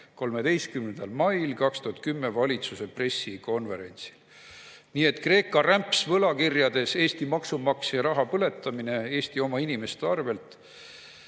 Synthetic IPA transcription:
ko̞lme̞d̪e̞jst̪̚kymne̞nd̪ɑlmɑjlkɑkst̪uɦɑt̪̚kymːevɑlʲit̪suse̞pre̞sːiko̞nve̞ɾe̞̰nʲt̪si̥l | niːe̞t̪ːˑkre̞ːkːˑɑræmpsvɤlɑkirjɑd̪̥e̞se̞ːst̪imɑksumɑksjɑɾɑɦɑpɤle̞t̪ːˑɑmine̞e̞ːst̪io̞mɑinime̞st̪eɑrve̞lt̪ˑ

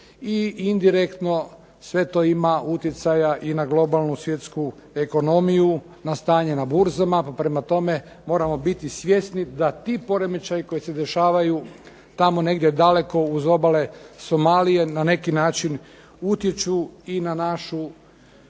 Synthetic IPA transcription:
iind̪iɾe̞kt̪no̞ | sʋe̞t̪o̞imaut̪jet̪sajaʔinaɡlˠo̞balˠnusʋje̞t̪sku | e̞ko̞no̞miju | nast̪aːɲe̞nabuɾzamapapɾe̞mat̪o̞me̞ | mo̞ːɾamo̞bit̪isʋʲje̞snid̪at̪iːpo̞ɾemit͡ʃajiko̞jise̞d̪eʃaːʋaju | t̪amo̞ne̞ɡd̪jed̪ale̞ko̞uzo̞bale̞so̞maːlije̞nane̞kinaːt͡ʃin | ut̪jet͡ʃuinanaʃu

